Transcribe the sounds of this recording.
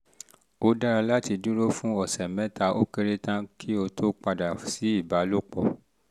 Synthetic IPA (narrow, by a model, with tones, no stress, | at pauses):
o˦da˦ɾa˧la˦ti˧dũ˦ɾo˦fũ˦ɔ˨sɛ˨mɛ̃˦ta˧ʔo˦ke˧ɾe˦tã˦kʰi˦o˧tʰo˦k͡pa˧da˨si˨˦i˦˨ba˨˦lo˦k͡pɔ˦˨